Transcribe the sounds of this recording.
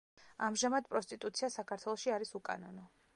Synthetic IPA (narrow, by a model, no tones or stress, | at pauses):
amʒamad̪pʼɾɔst̪ʼit̪ʼut̪sʰiasakʰaɾt̪ʰwɛlˠɔʃiaɾisukʼa̰nɔnɔ